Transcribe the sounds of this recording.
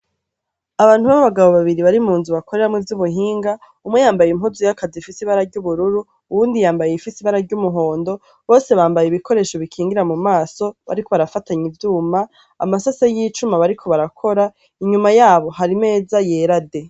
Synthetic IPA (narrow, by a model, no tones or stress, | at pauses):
aβaːn̥huβaβaβaɡaβo̞βaβiɾiβaɾimuːnzuβako̞ɾe̞ɾamŋevjuβuɦiːŋɡa | umwejaːmbajimɦuzujakazifisiβaɾaɾɟuβuɾuɾu | uβuːndijaːmbajeifisiβaɾaɾɟumuɦo̞ːndo̞ | βo̞ːse̞βaːmbajeiβiko̞ɾe̞ːʃo̞βikʰiːŋɡiɾamumaːso̞βa̰ɾiko̞βaɾafataɲivjuːma̰ː | masasajiːt͡ʃumaβaɾikʰo̞βaɾakʰo̞ɾa | iɲumajaːβo̞ɦaɾime̞ːzajeːɾade̞